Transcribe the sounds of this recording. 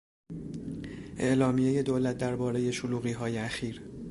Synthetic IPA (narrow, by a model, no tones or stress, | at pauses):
ʔe̞ʔlɒːmije̞je̞d̪oːlæt̪̚ʰd̪æɾbɒːɾe̞je̞ʃoluːɣiːɦɒːjeæxiːɾ